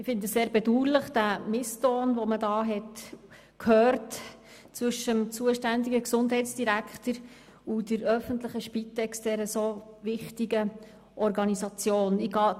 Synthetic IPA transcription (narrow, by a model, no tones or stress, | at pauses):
ɪfɪndəseːɾbɛduːləχd̥æmɪstɔːnʋomədɑːɦɛt | kʰhøːɾt | t͡sʋʏʃəmt͡suəʃtændiɡəksʊndɦɛɪtt͡sd̥iɾækχt̪əɾ | udəɾœfənt̪ləχəʃpit̪ɛksd̥ɛɾəsovɪχtiɡə | ʔɔɾɡɑnizɑt͡sjoːnɪɡɑː